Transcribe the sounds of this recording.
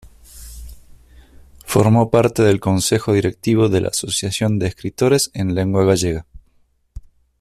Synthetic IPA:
fo̰ɾmo̞paɾt̪e̞ðe̞lko̞nse̞xo̞ðiɾe̞k̚t̪iβ̞o̞ðe̞lʔa̰aso̞sjasjo̞nd̪eːskɾit̪o̞ɾe̞senle̞ŋɡwaɣaʒeɣa

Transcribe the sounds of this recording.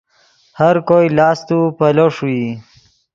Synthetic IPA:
haɾkojlɑːst̪upɐloʂui

